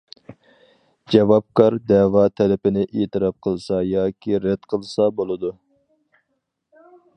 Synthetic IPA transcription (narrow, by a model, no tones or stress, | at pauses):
d͡ʒɛvɑp̚kʰɑɾd̪ɛwɑt̪ʰɛlɪpɪnɪʔeːt̪ɨɾɑp̚qʰəlˠsɑjɑːkʲʰiɾɛd̪̥qʰəlˠsɑbolˠɨd̪u